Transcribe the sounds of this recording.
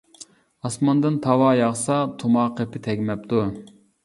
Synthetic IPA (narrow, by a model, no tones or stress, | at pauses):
ɑsmɑnd̪ɨnt̪ʰɑwɑːjɑʁsɑt̪ʰumɑqʰepʰɪt̪ʰɛɡʲmɛp̚t̪ʰu